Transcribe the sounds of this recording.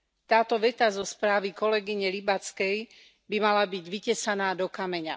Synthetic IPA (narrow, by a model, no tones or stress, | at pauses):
t̪aːt̪ɔʋɛt̪azɔspɾaːʋikɔlɛɡiɲɛlibat͡skɛj | bimalabiɟʋicɛsanaːd̪ɔkamɛɲa̰